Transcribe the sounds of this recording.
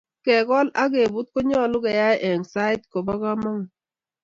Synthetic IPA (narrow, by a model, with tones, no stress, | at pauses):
kɛ˨ɡɔ˦la˦ɡe˨bu˦t̚kɔ˦ɲɔ˦˨lʊ˦kɛ˨ja˦jʔɛ˨ŋsa˦ɪ˦tko˨bɔ˦ka˦mɔ˦ŋ